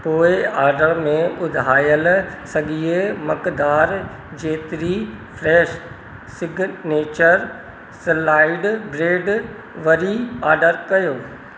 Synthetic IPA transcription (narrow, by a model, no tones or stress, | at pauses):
poːɪaːɾɖəɭmẽʊd̪ʱɦaːjəlsɐɠiemɐkd̪aːɾ | d͡ʑeːt̪ɪɾi | fɾɛːʃ | sɪɡneːt͡ɕəɾ | sɪlaːɪɖbɾeːɖ | ʋɐɾiaːɾɖəɾkɐjoː